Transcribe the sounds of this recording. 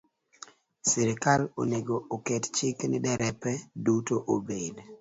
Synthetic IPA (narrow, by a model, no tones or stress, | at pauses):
sɪɾɪkalo̰neɡookett͡ʃɪknɪdɛɾɛpɛdutoʔobed